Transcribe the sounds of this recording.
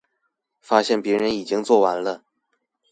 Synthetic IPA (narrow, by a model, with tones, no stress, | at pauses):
fa˥ɕjɛ˥˩npjɛ˧˥ɻə˧˥ni˨˩t͡ɕi˥ŋt͡swɔ˥˩wa˧˥nlə˧